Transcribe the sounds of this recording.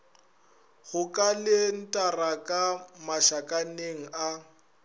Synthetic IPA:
ɣʊkʼalɪn̩tʼarakʼamaʃakʼaneŋ̩a

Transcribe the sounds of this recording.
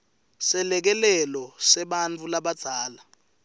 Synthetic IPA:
sɛlɛk̬ɛlɛlɔsɛɓant͡fʰʼulaɓad̥ʱaːla

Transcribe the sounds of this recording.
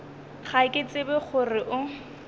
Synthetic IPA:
χaɪkʼɪt͡sʼɪbɪχʊrɪʔʊ

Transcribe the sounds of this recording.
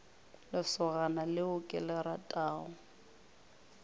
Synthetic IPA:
lɪsʊɣanalɪʊkʼɛlɛɾatʼaːʊ

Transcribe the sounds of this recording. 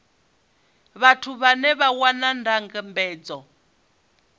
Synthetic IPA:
βatʰuβanɛβawanandaŋɡɛmbɛːd͡zɔ

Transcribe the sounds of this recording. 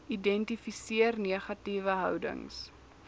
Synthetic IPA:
idɛntifisiərniəχɐtivəɦœ̰wdə̰ŋs

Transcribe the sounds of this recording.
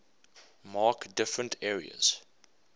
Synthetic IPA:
mɑːkdɪfɹə̃ntʰɛːɹḭə̰z̥

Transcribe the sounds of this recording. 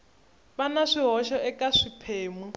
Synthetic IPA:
βanaʂiɦɔʃɔʔɛkʼaʂipʰeːmu

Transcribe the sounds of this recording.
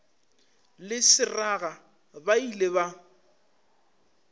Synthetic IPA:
lɪsɪraɣa | baileba

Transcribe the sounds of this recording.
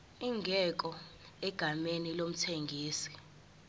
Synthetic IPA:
iŋɡʱɛk̬ʼɔ | ɛɡ̥ʱamenilom̩tʰeŋɡʱiːsi̥

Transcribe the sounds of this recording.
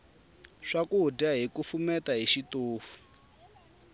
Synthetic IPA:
ʂakuɦudaɦikufumɛtaɦiʃitoːfu̥

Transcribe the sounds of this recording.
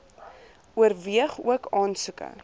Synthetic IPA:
uərviəχuəkɑːnsukə̰

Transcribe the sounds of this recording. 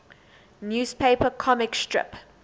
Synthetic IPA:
njuːspʰeɪpəkʰɔmɪkstɹɪ̰p

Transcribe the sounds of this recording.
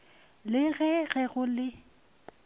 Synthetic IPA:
lɪɣɛɣɛɣʊlɪ

